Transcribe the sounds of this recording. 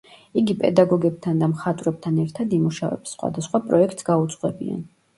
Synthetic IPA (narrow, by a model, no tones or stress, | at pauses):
iɡipʼɛd̪aɡɔɡɛb̚t̪ʰand̪amχat̪ʼɾɛb̚t̪ʰanɛɾt̪ʰad̪imuʃavɛ̰bsːχwa̰d̪asχwapʼɾɔɛk̚ʰt̪sɡaut̪sʼqʼwɛbia̰n